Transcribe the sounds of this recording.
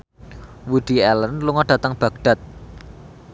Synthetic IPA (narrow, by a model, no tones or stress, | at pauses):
wuɖ̪̥i̤ɛlənluŋɔɖ̥a̤t̪əŋb̥ä̤ɡɖ̪̥a̤t̪̚